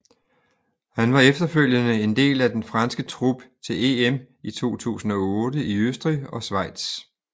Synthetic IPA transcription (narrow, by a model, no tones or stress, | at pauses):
hænʋɑ̈efd̥ɐføl̰jənəe̝nd̥e̝̰ːlæd̥enfʁɑ̈nsɡ̥ət͡sʰʁub̥t͡sʰe̝leem | it͡sʰo̝̰ːt͡sʰṵːsn̩ɒ̽ɔ̽ːdəiøsd̥ʁiɒ̽sʋɑ̈ɪ̰d̥s